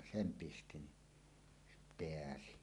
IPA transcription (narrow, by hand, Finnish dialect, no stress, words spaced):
sem pisti ni peæsi